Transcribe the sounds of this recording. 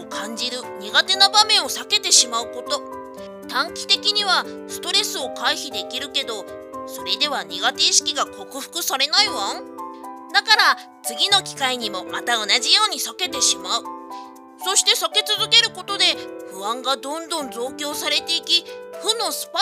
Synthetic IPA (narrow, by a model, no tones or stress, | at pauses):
kãɲ̟d͡ʑiɾɯ̟ɲ̟iɡat̪e̞nabamẽ̞ɰ̃o̞sake̞t̪e̞ɕimaɯ̟ko̞t̪o̞ | t̪ãŋkʲi̥t̪e̞kʲiɲ̟iβasɨ̥t̪o̞ɾe̞sɨo̞kaiçid̪e̞kʲiɾɯ̟ke̞d̪o̞ | so̞ɾe̞d̪e̞βaɲ̟iɡat̪e̞ɕi̥kʲiɡako̞kɯ̟ɸɯ̟̥kɯ̟saɾe̞naiβãŋd̪akaɾa | t͡sɨɡʲino̞kʲi̥kaiɲ̟imo̞mat̪aonaʑijo̞ːɲ̟isake̞t̪e̞ɕimaɯ̟ | so̞ɕi̥t̪e̞sake̞t͡sɨzɨke̞ɾɯ̟ko̞t̪o̞d̪e̞ɸɯ̟βãŋɡad̪õ̞nd̪õ̞nzo̞ːkʲo̞ːsaɾe̞t̪e̞ikʲiɸɯ̟nõ̞sɨ̥p